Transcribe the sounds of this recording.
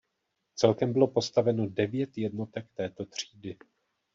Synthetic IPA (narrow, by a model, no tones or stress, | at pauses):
t͡sɛlkɛmbɪlo̞po̞st̪avɛno̞dɛvjɛt̪jɛdno̞t̪ɛk̚t̪ɛːt̪o̞t̪r̝̥iːdɪ